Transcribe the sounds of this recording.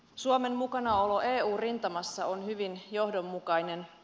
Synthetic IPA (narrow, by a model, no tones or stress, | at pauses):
suome̞mːukɑnɑo̞lo̞ʔeːuːrint̪ɑmɑsːɑonhyʋinjo̞hdo̞mːukɑjne̞n